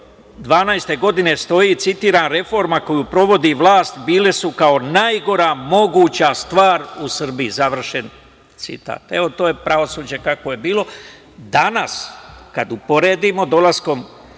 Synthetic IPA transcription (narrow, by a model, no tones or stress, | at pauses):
d̪ʋaːnajst̪e̞ɡo̞d̪ine̞st̪o̞jit̪sit̪iːɾaːnɾe̞fo̞ɾmako̞juːpɾo̞ʋo̞d̪iʋlˠaːst̪biːle̞sukao̞najɡo̞ɾamo̞ɡuːt͡ɕast̪ʋaːɾusr̩biizaʋr̩ʃe̞n | t̪sḭt̪a̰ːt̪e̞ʋo̞t̪oːjepɾaʋo̞suːd͡ʑekakoje̞biːlˠo̞ | d̪anaskad̪upo̞ɾe̞ːd̪imo̞d̪o̞lasko̞m